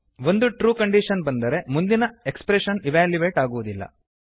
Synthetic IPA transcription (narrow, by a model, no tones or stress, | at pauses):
ʋo̞nd̪uʈɾuːkɐɳɖiʃɐnbɐnd̪ɐɾe̞mund̪inɐekspɾeʃɐniʋaːljuʋeːʈaːɡuʋud̪ilːɐ̰